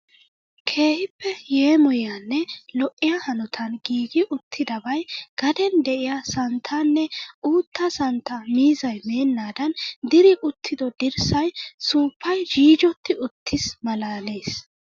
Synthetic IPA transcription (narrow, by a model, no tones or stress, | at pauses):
kʰe̞ːhɪpːɛjeːmɔjanːɛlɔʔːɪjahɐnɔt̪ʰɐnɡiːɡɪʔʊt̪ʰːɪd̪ɐbɐjɡ̥ɐd̪ɛnd̪ɛʔɪjasɐnt̪ʰːanːɛuːt̪ʰːɐsɐnt̪ːɐmiːzɐjme̞ːnːaːd̪ɐnd̪ɪɾɪʔʊt̪ʰːɪd̪ɔd̪ɪɾsɐjsuːpʰːɐjd͡ʒiːd͡ʒɔt̪ʰːɪʊt̪ʰːɪsmɐlaːleːs